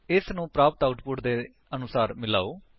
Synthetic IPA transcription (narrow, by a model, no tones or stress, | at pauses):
ɪsnũːpɾaːpət̪aʊʈpʊʈd̪eː | ənʊsaːɾmɪla̰ːoː